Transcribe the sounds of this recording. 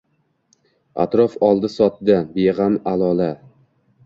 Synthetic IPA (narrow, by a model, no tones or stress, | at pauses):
a̰t̪ɾɒfɒlˠd̪ɪsɒt̪̚d̪abeʁamalˠɒla